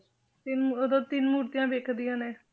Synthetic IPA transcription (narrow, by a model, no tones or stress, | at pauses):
t̪ɪnod̪õːt̪ɪnmuːɾt̪ɪjãːʋeːkʰd̪ɪjãːneː